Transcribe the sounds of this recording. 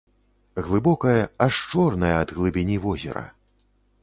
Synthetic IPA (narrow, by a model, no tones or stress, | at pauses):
ɣlˠɨbɔkɐjɐaʂt͡ʂɔrnɐjɐɐd̪ɣlˠɨbʲinʲivɔzʲɛ̰ɾɐ̰